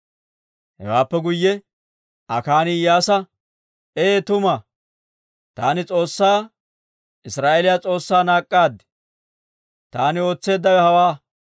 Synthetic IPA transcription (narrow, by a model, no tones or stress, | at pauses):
hɛ̰waːpːɛɡʊjːɛ | ɐkaːnɪjaːsɐ | eːt̪ʊmɐ | t̪aːnɪt͡sʼo̞ːsːaː | ɪsɾaːʔelɪjat͡sʼo̞ːsːaːnaːkʼːaːd̪ɛ̥ | t̪aːnɪo̞ːt͡sːe̞ːd̪ːɐwɛhɐwaː